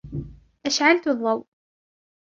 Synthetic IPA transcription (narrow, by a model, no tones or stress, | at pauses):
ʔaʃʕalt̪ʊðˤːɑw